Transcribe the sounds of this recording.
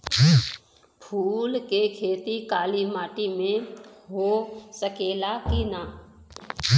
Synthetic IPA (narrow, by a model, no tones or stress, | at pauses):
pʰuːlkekʰeːt̪ikaːlimaːʈimẽɦosəkeːlakinaː